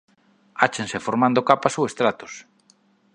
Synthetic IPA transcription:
at͡ʃẽnsefoɾmand̪okapasowest̪ɾat̪o̥s

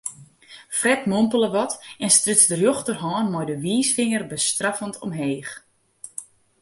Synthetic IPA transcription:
frɛtmompələʋɔtɛnstrʏtsdərjoxtərɦɔːnmɔjdəʋiːsfɪŋərbəstrafəntʰɔ̰mɦeːx

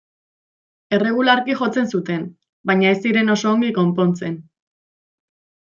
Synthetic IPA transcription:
e̞re̞ɣ̞ulaɾkixo̞t͡se̞nsut̪e̞n | bajɲae̞siɾe̞no̞so̞ːŋɡiko̞mpo̞nt͡se̞n

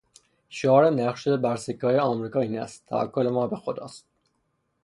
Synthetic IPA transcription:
ʃoɒːɾenæχʃebæɾsikʰːɒːjeɒːmɾiːkʰɒːiːnæ̰st̪ʰːæ̰væ̰kːolemɒːbe̞xod̪ɒ̰ːst̪̚

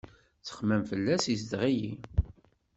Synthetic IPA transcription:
t͡sə̥χmæmfəlːæsis̬d̪ʁijḭ

